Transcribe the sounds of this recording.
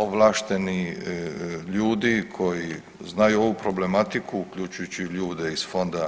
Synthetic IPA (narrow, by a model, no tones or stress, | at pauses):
oʋlaːʃt̪e̞ni | ʎuːd̪ikʰo̞ji | znajuo̞ʋupɾo̞ble̞mat̪ikʰuːkʎut͡ʃujut͡ɕiʎuːd̪eizfo̞nd̪a